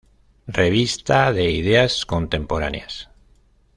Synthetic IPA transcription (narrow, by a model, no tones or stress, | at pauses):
re̞β̞ist̪aðe̞ið̞e̞asko̞nt̪e̞mpo̞ɾa̰njas